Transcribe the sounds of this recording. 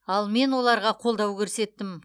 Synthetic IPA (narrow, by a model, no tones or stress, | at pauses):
ɑlˠme̞nwo̞lˠɑɾʁɑqʰo̞lˠd̪ɑwkʲʰɵɾse̞t̪ːɪm